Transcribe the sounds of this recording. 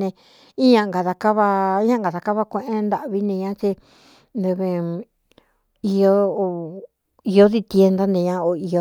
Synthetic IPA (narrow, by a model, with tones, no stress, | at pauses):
nẽ˧ | i˦ɲã˧ŋɡa˨ða˧ka˦βa˧˦ɲã˦ŋɡa˨ða˨˧ka˦βa˦kʷẽ˧ʔẽ˦nd̪a˧ʔβi˦nẽ˧ɲã˦t͡ʃi˧ | nd̪e˧βe˧ | i˧o˦o˧ | i˧o˦ði˧t̪je˧nd̪a˦nẽ˧ɲã˧o˧i˧o˧˦